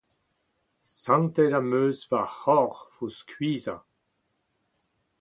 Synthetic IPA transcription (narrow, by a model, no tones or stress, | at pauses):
sãnt̪ɛlamøːzvahɔʁfuskɥiːza̰